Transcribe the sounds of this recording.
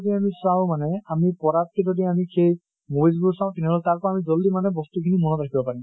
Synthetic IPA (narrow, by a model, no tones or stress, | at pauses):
diamisaʊ̃manɛamipɔɹat̚kʰezɔdiamikʰej | mobjs̬busaʊ̃tɛnɛɦɔlɛtaɹkɔamizɔldimanɛbɔstukʰinimɔnɔtɹakʰibɔpaɹim